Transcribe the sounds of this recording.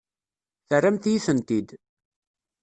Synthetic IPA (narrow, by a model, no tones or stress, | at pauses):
θərːæmθjiθənt̪id̪